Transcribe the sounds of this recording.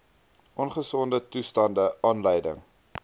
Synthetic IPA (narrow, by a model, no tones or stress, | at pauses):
ʔɔnχəsɔndətustɐndəʔɑːnləjdə̰ŋ